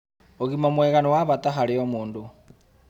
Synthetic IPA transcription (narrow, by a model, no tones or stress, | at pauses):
oɣimamwɛɣanowaβataɦaɾiomuːndu